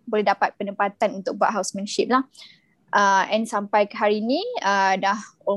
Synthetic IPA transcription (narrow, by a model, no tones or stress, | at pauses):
bolɛhdapat̪̚pənəmpat̪anunt̪ʊk̚baʔ̚ɦawsmɛnəʃip̚lah | ʔəɛnsampajkəɦaɾiːnĩədaho